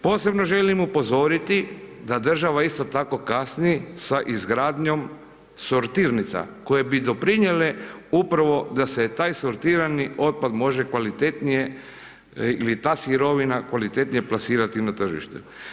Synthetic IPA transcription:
po̞ːse̞bno̞ʒe̞limupo̞zo̞ɾit̪id̪ad̪r̩ʒaʋaist̪o̞t̪ako̞kasniesaʔizɡɾaːd̪ɲo̞m | soɾt̪iːɾnit̪sa̰ko̞je̞bid̪o̞pɾiɲele̞upɾaʋo̞d̪aset̪aːjsoɾt̪iːɾaniʔo̞t̪̚pad̪mo̞ʒe̞kʋalit̪et̪nije | ḭlit̪aːsiɾo̞ʋinakʋalit̪e̞t̪nijeplˠasiːɾat̪inat̪r̩ʒḭʃt̪ṵ

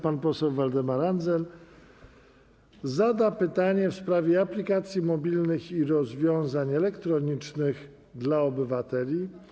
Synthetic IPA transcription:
panpɔsɛwvald̪ɛmaɾand̪zɛl | zad̪apɘt̪aɲɛfspɾavʲjɛaplʲikat̪sʲjimɔbʲilnɘxiɾɔzvʲjɔ̃w̃zaɲɛlɛkt̪ɾɔɲit͡ʂnɘɣ | d̪laɔbɘvat̪ɛlʲi

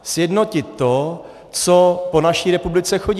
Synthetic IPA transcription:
sjɛdnocɪt̪ːo | t͡sopo̞naʃiːɾɛpublɪt͡sɛxo̞ɟ

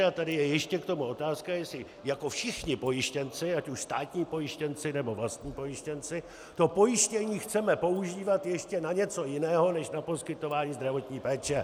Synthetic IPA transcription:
at̪adɪjɛjɛʃcɛkt̪o̞muo̞t̪aːskajɛsɪ | jako̞fʃɪxɲɪpo̞jɪʃcɛnt͡sɪacuʃst̪aːt̪ɲiːpo̞jɪʃcɛnt͡sɪnɛbo̞vlast̪ɲiːpo̞jɪʃcɛnt͡sɪ | t̪o̞po̞jɪʃcɛɲiːxt͡sɛmɛpo̞uʒiːvat̪jɛʃcɛnaɲɛt͡so̞jɪnɛːɦo̞nɛʃnapo̞skɪt̪o̞vaːɲiːzd̪ɾavo̞t̪ɲiːpɛːt͡ʃɛ

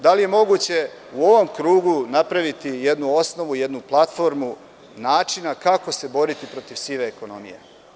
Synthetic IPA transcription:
d̪alije̞mo̞ɡut͡ɕe̞ | uo̞ʋo̞mkɾuːɡunapɾaʋit̪ije̞d̪nuo̞sno̞ʋuje̞d̪nuplˠat̪fo̞ɾmu | naːt͡ʃinakako̞se̞bo̞ɾit̪ipɾo̞t̪iʋsiːʋeːko̞no̞̰mḭje̞̰

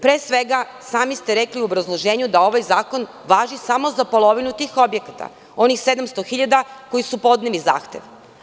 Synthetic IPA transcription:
pɾeːsʋeɡa | saːmist̪eɾekliuobɾazlˠoʒeːɲud̪ao̞ʋajzaːko̞n | ʋaːʒisamo̞zapo̞lˠo̞ʋinut̪iːxo̞bje̞kat̪a̰ | o̞nixse̞d̪amst̪o̞xiʎad̪ako̞jisupo̞d̪neliza̰ːxt̪e̞ʋ

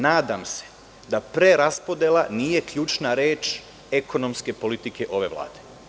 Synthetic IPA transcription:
naːd̪amse̥ | d̪apɾeɾaspo̞d̪jelˠaniːje̞kʎuːt͡ʃnaɾeːt͡ʃ | eko̞no̞mske̞po̞lit̪ike̞ʔo̞ʋe̞ʋlˠa̰ːd̪̥e̞

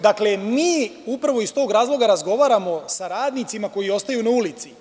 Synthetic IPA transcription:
d̪akle̞miːupɾʋo̞ist̪o̞ːɡɾaːzlˠo̞ɡaɾazɡo̞ʋaːɾamo̞saɾaːd̪nit̪simako̞jio̞st̪ajunaulit̪si

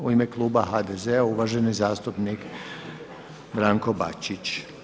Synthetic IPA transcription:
uime̞klˠuːbaɦad̪ezeauʋaʒe̞nizaːst̪upnik | bɾaːŋko̞ba̰t͡ɕit͡ɕ

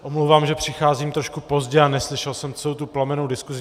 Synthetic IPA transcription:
ʔomlowvaːmʒɛpr̝̥ɪxaːziːmt̪ɾoʃkupo̞zɟɛanɛslɪʃɛlsɛmt͡sɛowt̪uplamɛnowdɪskuzɪ

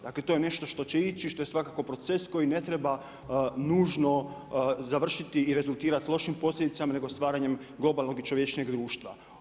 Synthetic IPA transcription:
d̪akle̞t̪o̞jene̞ʃt̪o̞ʃt̪o̞t͡ɕeit͡ɕiʃt̪o̞je̞sʋakako̞pɾo̞t̪se̞sko̞jine̞t̪ɾe̞ba | nuːʒno̞ | zaʋr̩ʃit̪iiːɾe̞zulˠt̪iːɾat̪ilˠo̞ʃimpo̞slʎʲe̞d̪it̪samane̞ɡost̪ʋaːɾaɲe̞m | ɡlˠo̞balˠno̞ɡit͡ʃoʋjet͡ʃɲeɡd̪ɾuːʃt̪ʋa̰

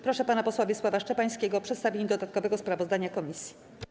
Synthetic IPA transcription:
pɾɔʂɛpanapɔswavʲjɛswavaʂt͡ʂɛpaj̃skʲeɡɔpʂɛt̪st̪avʲeɲɛd̪ɔd̪at̪̚kɔvɛɡɔspɾavɔzd̪aɲakɔmʲisʲji

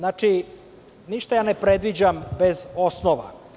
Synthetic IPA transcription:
naːt͡ʂi | niʃt̪ajaːnepɾed̪ʋid͡ʑambezosnoʋa̰

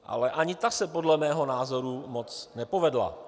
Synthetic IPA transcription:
ʔa̰lɛʔaɲɪt̪asɛpo̞dlɛmɛːɦo̞naːzo̞ɾumo̞t͡snɛpo̞vɛdla̰

